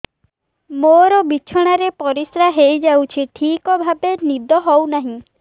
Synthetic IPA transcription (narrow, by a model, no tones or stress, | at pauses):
moɾɔbit͡ʃʰɔɽ̃aɾepɔɾisɾaɦejd͡ʒawt͡ʃʰiʈʰikɔbʱabenid̪ʱɔɦɔwnaɦĩ